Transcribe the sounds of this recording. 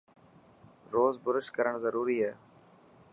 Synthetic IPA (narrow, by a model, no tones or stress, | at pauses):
ɾoːzbʊɾəʃkəɾəɳ̃zəɾuːɾiːɦɛː